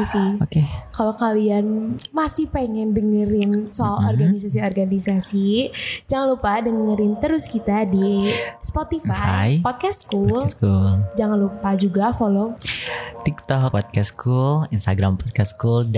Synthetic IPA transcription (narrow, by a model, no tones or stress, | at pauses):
siokekalokalianmasɪhpeŋɛnbəŋəɾɪnsɔɔrɡanis̬as̬iɔrɡanisasid͡ʒaŋanlupadənəŋəɾɪnt̪əɾʊskit̪adispot̪ifafa̰jpot̪̚kastkulskuld͡ʒaŋanlupad͡ʒuɡafolo | t̪ik̚t̪ɔkpɔd̪̚kɛskʰulinst̪aɡɾampɔt̪̚kaskuld